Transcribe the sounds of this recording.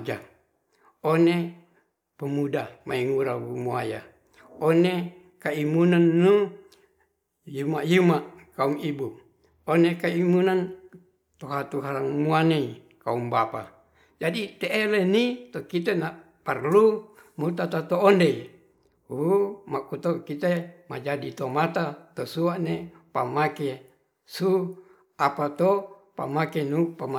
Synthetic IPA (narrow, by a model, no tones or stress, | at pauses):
d͡ʒa | one | pəmudamaiŋuɾawumuaja̰ | one | kaimunanːu | jumajumaʔkaumibu | onekaimunan | t̪oɦat̪uɦalaŋmuanei | kaumbapa̰ | d͡ʒadit̪eʔelenit̪okit̪ena | parlu | mut̪at̪at̪oːndei | umakut̪okit̪emad͡ʒadit̪omat̪at̪osuaʔnepamake | su | apat̪opa̰makenupama